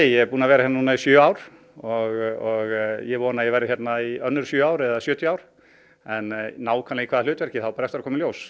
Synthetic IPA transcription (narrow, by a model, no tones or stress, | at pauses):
jɛɛɾpuːnavɛːɾahjɛnnuːnaisjʏːaːwɾ̥ | ɔɣɔɣjɛvɔːnajɛvajɾɪhçɛt̪naiœnːʏɾ̥sjʏːaːwɾɛðasjʏːt̪ʰjaːwɾ̥ | ɛnnːaːwkʰanlɪɣikʰvaːðalʏːt̪vɛɾ̥cɪθawpaːɾɛft̪ɪɾakʰɔːmɪljoːws